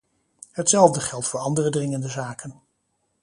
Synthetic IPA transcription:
ɦətsɛlˠvdəχɛlˠtfʊːɹɑndərədrɪŋəndəzaːkən

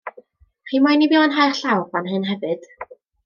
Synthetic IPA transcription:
χiːmajnibiːɔnɦajrɬawrb̥anɦɨnɦɛvɨd̥

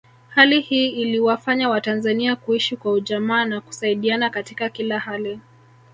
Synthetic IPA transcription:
halihiːliwafaɲawatanzaniakuiʃikwauʄamaːnaku̥saiɗianakatikakilahali

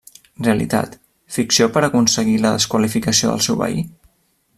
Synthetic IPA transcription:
reəlḭt̪a̰t̪ | fiksiopəɾəkunsəɣiləðəskwəlifikəsio̰ðə̰lˠsɛwβə̰ḭ

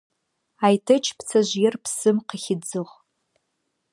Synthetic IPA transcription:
ajtʰɨt͡ʃʰpʰt͡sʰaʒʷjɪrpʰsɨmqəχʲɪd͡zɨʁ

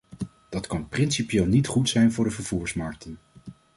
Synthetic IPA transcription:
d̥ɑtkɑnprɪnsipijeːlˠnitχutsɛjnvʊːɹdəvəɹv̥uːɹsmɑɹk̚tʰən

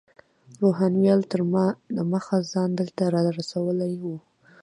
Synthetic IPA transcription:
ɾoɦɑnwjɑlt̪əɾlaməxazɑnd̪əlt̪aɾɑɾasawəlajwu

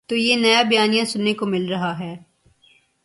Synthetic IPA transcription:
t̪oːjenɐjabɐjaːnijãsʊnːekomɪlɾɐɦaɦɛː

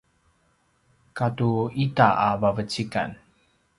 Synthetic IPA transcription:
katuitaʔabavət͡ɕika̰n

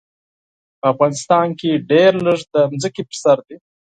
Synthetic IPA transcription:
pəafɣɑnɪst̪ɑnkeɖeɾləʐd̪əmzəkepəɾsaɾd̪i

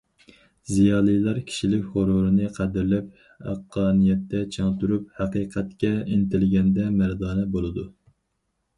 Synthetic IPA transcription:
zijɑːlˠɨjlˠɑɾkʲʰi̥ʃilɪkʲhoɾoɾɨnɨqʰæd̪ɪɾlɛp̚ | æ̰qʰːɑːnijɛt̪ːɛt͡ʃʰɑŋt̪yɾup̚hæqiqʰɛt̪kʲɛint̪ɪlɪɡʲɛnd̪ɛmæɾd̪ɑːnɛbolˠɨd̪u

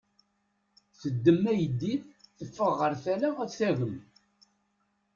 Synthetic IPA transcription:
θəd̪ːəmːæjəd̪ːiθθəfːəʁəɾθælaæðθæɣəm

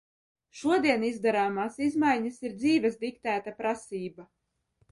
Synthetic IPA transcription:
ʃuɔd̪iɛnizd̪aɾaːmaːsizmajɲasiɾd̪ziːvʲɛzd̪ikt̪æːt̪apɾasiːba

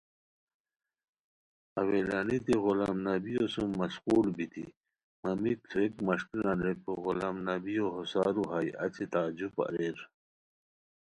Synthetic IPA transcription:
ɐwelanit̪iɣolaːmnɐbijosumːɐsquːlbit̪ḭ | mɐmik̚t̪ʰuekmɐʂkinanɾepoɣolaːmnabijoɦosaːɾuɦajɐ̰t͡ɕet̪aːd͡ʑupa̰ɾeɾ

